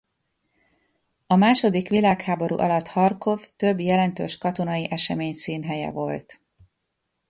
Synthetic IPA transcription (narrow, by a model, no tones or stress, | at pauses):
ɒmaːʃo̞d̪ikʋilaːkhaːbo̞ɾṵːʔɒlɒt̪hɒrko̞ft̪ø̞bjɛlɛnt̪ø̰ːʃkɒt̪o̞nɒjiʔɛʃɛmeːɲsiːnɦɛjɛ̰vo̞lt̪